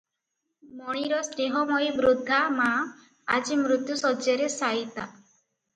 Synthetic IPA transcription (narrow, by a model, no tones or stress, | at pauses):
mɔɽ̃iɾɔsɾeɦɔmɔjbɾud̪ʱːama | ad͡ʒimɾut̪jusɔd͡ʒjeɾesait̪a